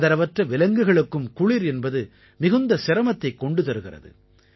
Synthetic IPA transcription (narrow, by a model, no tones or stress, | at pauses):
ðɐɾɐʋɐʈrɐʋɪlɐŋɡɯɣɐɭɯkːɯmkʊɻiɾɛnbɐðɯ | mɪɣɯnd̪ɐsɪɾɐmɐt̪ːɐɪkːɔɳɖɯt̪ɐɾɯɣɪrɐ̰ðɯ̰